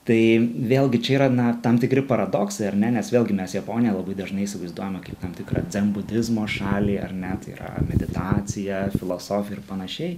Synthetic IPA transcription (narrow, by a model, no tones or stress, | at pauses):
t̪ɐɪʋʲeːlʲˠɡʲɪt͡ʃʲɛiːɾɐnɐt̪ɐmt̪ʲɪkɾʲɪpɐɾɐd̪oːksɐɪɐɾnʲɛnʲɛsʋʲeːlˠʲɡʲɪmʲɛsjɛpoːnʲɪjɛlˠɐbɐɪd̪ɐʒnɐɪisʲɪʋɐɪzd̪uɔjomɐkɐɪpt̪ɐmt̪ʲɪkɾɑ̰ːd͡zʲɛmbʊd̪ʲɪzmoːʃɑːlʲiːɐ̰ɾnʲɛt̪ɐɪḭɾɐ̰mʲɛd̪ʲɪt̪ɑːt͡s̪ʲɪjɛfʲɪlˠoːsoːfʲjɛɪɾpɐnɐʃʲɛɪ